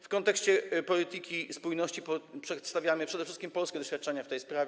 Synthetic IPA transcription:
fkɔnt̪ɛkɕt͡ɕɛpɔlʲit̪ɘkʲispujnɔɕt͡ɕipɔpʂɛt̪st̪avʲjamɘpʂɛd̪ɛfʂɘst̪kʲimpɔlskʲɛd̪ɔɕfʲjat̪̚ːt͡ʂɛɲaft̪ɛjspɾavʲ

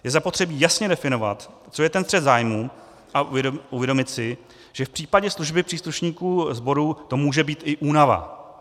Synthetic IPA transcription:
jɛzapo̞t̪r̥ɛbiːjasɲɛdɛfɪno̞va̰t̪ | t͡so̞jɛt̪ɛnfr̥ɛd̪zaːjmuː | ʔaʔuvjɛdo̞mɪt̪sɪ | ʒ̥ɛfpr̥iːpaɟɛsluʒbɪpr̥iːsluʃɲiːkuːzbo̞ɾuːt̪o̞muːʒɛbiːt̪ɪʔuːnava̰

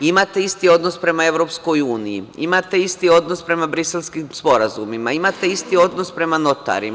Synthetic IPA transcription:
imat̪e̞ist̪io̞d̪no̞spɾe̞mae̞ʋɾo̞psko̞juːnijḭḭmat̪e̞ist̪io̞d̪nospɾe̞mabɾiselˠskimspo̞ɾazumimaimat̪e̞ist̪io̞d̪nospɾe̞mano̞t̪a̰ɾim

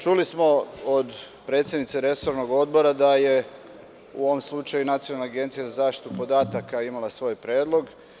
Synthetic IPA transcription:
t͡ʃulismo̞od̪ | pɾe̞t̪sʲje̞d̪nit̪seɾe̞so̞ɾnoɡo̞d̪bo̞ɾad̪aje̞ | ṵo̞ʋomslˠut͡ʃajunat̪sijonalːeaɡe̞nt̪sijazazaːfʃt̪i̥t̪upo̞d̪aːt̪akaimalˠasʋo̞ːjpɾeːd̪lˠo̞ɡ

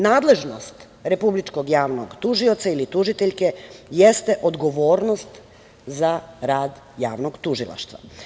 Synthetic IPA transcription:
naːd̪le̞ʒnost̪ | ɾe̞publit͡ʃko̞ɡjaːʋno̞ɡt̪uʒio̞t̪sailit̪uʒit̪eʎke̞jest̪e̞ʔo̞d̪ɡo̞ʋo̞ːɾno̞st̪ | zaɾaːd̪ | jaːʋno̞ɡt̪uʒilˠa̰ʃt̪ʋa̰

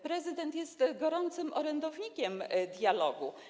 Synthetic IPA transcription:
pɾɛzɘd̪ɛnt̪jɛst̪ɡɔɾɔnt̪sɘmʔɔɾɛnd̪ɔvɲikʲɛmd̪ʲjalɔɡu

